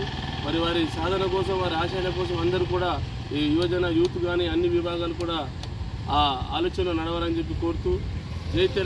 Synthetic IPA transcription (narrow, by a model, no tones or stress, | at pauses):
mɐɾiʋaːɾisaːd̪ʱɐnɐkɔːsɐmʋaːɾiaːʃaːjlɐkɔːs̬ɐmɐnd̪ɐɾukuːɽaː | iʋɐd͡ʒɐnɐjuːt̪uɡaːniɐnːiʋibʱaːɡaːlukuːɽaː | a̰ːloːt͡ʃɐnonɐɽɐʋɐɾɐnd͡ʒe̞p̬ːiko̞ːɾut̪uːd͡ʒeːjt̪eː